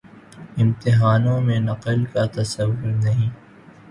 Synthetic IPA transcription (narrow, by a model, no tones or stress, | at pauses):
ɪ̃mt̪ɪɦaːnõmẽnɐqəlkat̪ɐsɐwːʊɾnɐɦĩː